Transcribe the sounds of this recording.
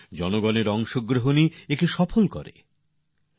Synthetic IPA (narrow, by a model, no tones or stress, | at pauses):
d͡ʑɔnoɡɔneɾɔŋʃoɡɾoɦoniek̚ʈiʃɔpʰolkɔ̰ɾḛ